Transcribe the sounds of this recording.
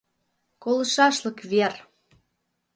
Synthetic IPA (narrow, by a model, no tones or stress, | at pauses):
kolə̆ʃɑʃlə̆kβer